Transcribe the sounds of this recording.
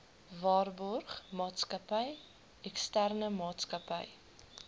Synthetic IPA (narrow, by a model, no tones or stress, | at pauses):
vɑːrbɔrχmɑːtskəpəj | ɛkstærnəmɑːtskɐpə̰j